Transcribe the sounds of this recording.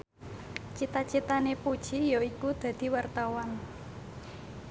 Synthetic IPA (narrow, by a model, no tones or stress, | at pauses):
t͡ʃit̪at͡ʃit̪anepud̥ʒ̥ijoikud̪̥ä̤d̪̥i̤wart̪awan